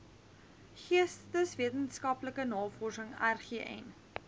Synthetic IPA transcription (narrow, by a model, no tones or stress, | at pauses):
χiəstəsviətənskɐpləkənɑːfɔrsəŋærχiːʔɛ̰n